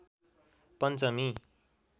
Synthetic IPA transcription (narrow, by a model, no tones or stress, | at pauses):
pʌnt͡sʌmi